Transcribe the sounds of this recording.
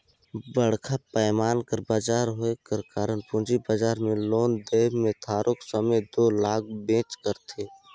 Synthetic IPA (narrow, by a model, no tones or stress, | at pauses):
bəɽ̤kʰapəːmaːnkəɾbaːd͡ʒaːɾɦoekəɾkaːɾənpʊ̃d͡ʒibaːd͡ʒaːɾmẽloːnd̪eːbmẽt̪ʰaːɾʔʊksəməjd̪oːlaːk̚bẽːt͡ʃkəɾt̪ʰeː